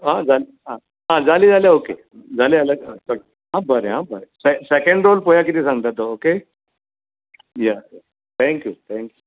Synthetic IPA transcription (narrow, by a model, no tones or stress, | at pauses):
ɦãd͡zaleɦã | ɦãd͡zaliːd͡zaljaokḛ | d͡zalealəɡsək̪ | ɦãbəɾeɦãbəɾesesekə̃ɳɖɾolpojak̬it̪isãɡt̪at̪ɔoke | jɛjɛ | t̪ʰɛ̃ŋkjut̪ʰɛ̃ŋkjuu